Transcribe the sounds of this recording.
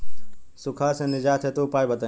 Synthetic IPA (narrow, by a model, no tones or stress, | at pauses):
sʊkʰaːsẽːnɪd͡ʒaːt̪ʰet̪oːpaːjbət̪ə